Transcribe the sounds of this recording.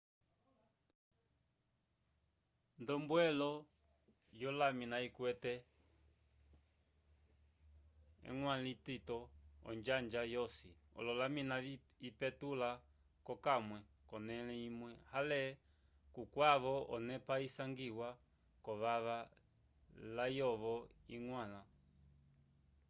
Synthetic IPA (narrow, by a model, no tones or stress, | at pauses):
ndɔmbwɛlɔ | jɔlaminaikwɛtɛ | ɛ̰ŋwalititɔɔ̰nd͡ʒand͡ʒajɔsḭɔ̰lɔlamina | ipɛtula | kɔkamwɛ | kɔnɛlɛimwɛhalɛ | kukwaβɔɔnɛpaisaŋɡiwa | kɔβaβa | lajɔβɔiŋwala